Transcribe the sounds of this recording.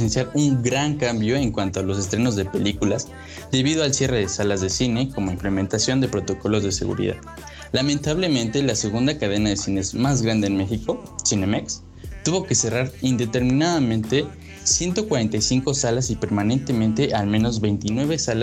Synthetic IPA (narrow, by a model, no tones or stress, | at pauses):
ensjaɾuŋɡɾaŋkambjo̞e̞ŋkwant̪o̞alo̞se̞st̪ɾe̞no̞zðe̞pe̞likulas | d̪e̞βið̞o̞alsje̞re̞ðesalazðe̞sine̞komo̞ĩmple̞mẽ̞nt̪asjo̞nd̪e̞pɾo̞t̪o̞ko̞lo̞zðe̞se̞̰ɣṵɾḭða̰ð | lamẽnt̪aβle̞mẽ̞nt̪e̞lase̞ɣund̪akað̞e̞naðe̞sineezmazɣɾand̪e̞ːnme̞xiko̞ | sine̞maks | t̪uβo̞ke̞seraɾind̪e̞t̪e̞ɾmĩnaðamẽnt̪e̞ | sje̞nt̪okwaɾe̞nt̪ajsiŋko̞salasipe̞ɾmane̞nt̪e̞mẽnt̪e̞ʔalmẽno̞zβe̞jnt̪inwe̞β̞e̞sala